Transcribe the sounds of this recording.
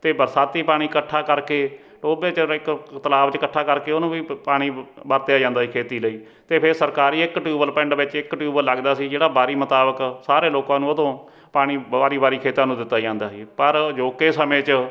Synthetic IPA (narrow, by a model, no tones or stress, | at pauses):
t̪eːbəɾsaːt̪iːpaːɽ̃iːkəʈʰːaːkəɾkeː | ʈoːbeːt͡ʃəɪkt̪əlaːbt͡ʃkəʈʰːaːkəɾkeːonõːʋiːpaːɽ̃iːbəɾt̪eaːd͡ʒãːnd̪aːsiːkʰeːt̪iːləiː | t̪eːpʰɪɾsəɾkaːɾiːɪkʈjuːbəlpɛ̃ɳɖʋɪt͡ʃɪkʈjuːbəlːəɡd̪aːsiːd͡ʒeːɽaːbaːɾiːmət̪aːbəksaːɾeːloːkãːnũːəd̪õː | paːɽ̃iːaːɾiːbaːɾiːkʰeːt̪ãːnũːd̪ɪt̪ːaːd͡ʒãːnd̪aːsiːpəɾd͡ʒoːkeːsəmẽːt͡ʃ